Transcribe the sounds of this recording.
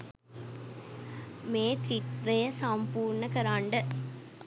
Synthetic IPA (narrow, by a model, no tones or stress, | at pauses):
meːt̪ɾit̪ʋɐjɐsaːmpuːɾɳɐkɐɾaːɳɖɐ